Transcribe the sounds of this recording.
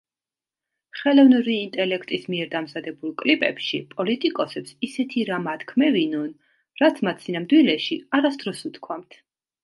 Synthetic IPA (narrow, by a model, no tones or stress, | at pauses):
χɛlˠɔvnuɾiːnt̪ʼɛlɛkʰt̪ʼismiɛɾd̪amzad̪ɛbulˠkʼlipʼɛ̰pʃipʼɔlit̪ʼikʼɔsɛpsisɛt̪ʰiɾamat̪kʰmɛvinɔn | ɾat̪sʰmat̪sʰinamd̪wilɛʃiaɾasd̪̥ɾɔsut̪ʰkʰwamt̪ʰ